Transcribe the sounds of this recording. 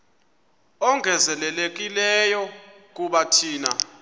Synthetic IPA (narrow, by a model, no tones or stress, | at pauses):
ɔŋʱɛzɛlɛlek̬ilɛjɔ | k̬ʼuɓatʰiːna